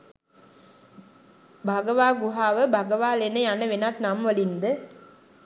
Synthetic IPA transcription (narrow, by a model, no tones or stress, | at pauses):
bʱaɡəʋaːɡuɦaːʋəbʱaɡəʋaːlenəjanəʋenat̪namʋɐlind̪ə